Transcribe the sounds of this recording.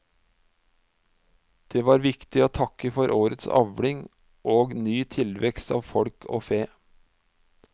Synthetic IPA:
d̪̥eːʋɑːɾʋɪkt̪ɪoːt̪ʰɑkəfɔɾʔoːɾət̪sɑ̰ʋɽɪŋ | ʔoːɡnyːt̪ʰɪlʋɛkst̪ɑ̰ːʋfɔɽkʰo̰ːfeː

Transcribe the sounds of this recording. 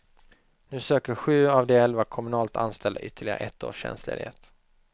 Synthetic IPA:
nʉ̟ːsøːkəɾɧʉ̟ːavd̪eɛlvakʰɔmɵnɑːlt̪ʰa̰nst̪ʰɛld̪a̰ʔʏt̪ʰːəɭɪɡa̰ɾə̰ʔɛt̪ʰːo̰ːʂɛ̰nslḛːd̪hḛːt̪

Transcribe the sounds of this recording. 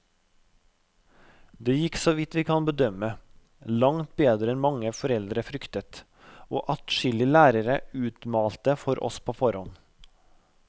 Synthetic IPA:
d̪eːjɪksoːʋɪt̪ʋiːkʰɑnbəd̪œmə | lɑŋt̪̚beːd̪ɾəɛnmɑŋəfɔɾɛld̪ɾəfɾʏkt̪ət̪ | o̰ːʔɑt̪ʃɪlɪlæːɾəɾəʉːt̪mɑːlt̪əfɔɾʔɔ̰spʰoːfɔɾhɔn

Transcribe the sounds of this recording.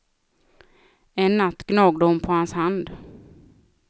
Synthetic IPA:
ɛnːat̪ːɡnɑːɡd̪əhʊnpʰɔhanshand̪

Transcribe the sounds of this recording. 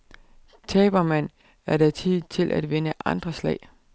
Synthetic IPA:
t͡sʰɛːb̥ɐmæn̰ | æɐɾ̥æt͡sʰið̰ˠt͡sʰe̝lʔæd̥ʋe̝nəʔɑ̈nd̥ʁɐslɛ̰ɪ̰

